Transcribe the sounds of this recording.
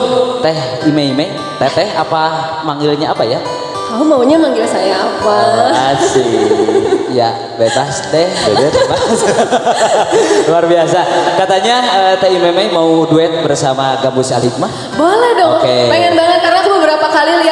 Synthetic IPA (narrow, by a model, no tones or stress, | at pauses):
t̪ɛh | imeimɛ | t̪ɛt̪ɛɦapa | maŋɪlɲaapaja | maɦumauɲamaŋɡɪlsajaːpaasi | ja̰ | bebasd̪ɛhbedɛt̪bebas | luarbiasakat̪aɲaət̪ɛimɛmejmauduɛt̪̚bərsamaɡambusialik̚ma | baladɔkepeŋɛnbaŋət̪̚kaɾaŋt̪ubəbəɾapakalil